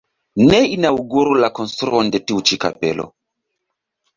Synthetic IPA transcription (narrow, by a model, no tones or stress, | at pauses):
nɛinauɡoɾulakɔnst̪ɾuɔndɛtiut͡ʃika̰pɛ̰lʔɔ̰